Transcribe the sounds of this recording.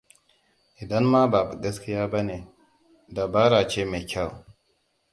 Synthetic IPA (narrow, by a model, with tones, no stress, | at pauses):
ʔi˨da˦nma˦ba˨bu˨ɡɐ˦ski˦ja˦ba˦ne˨ | da˨ba˦ɾa˨t͡ʃe˦me˨kʲa˦˨w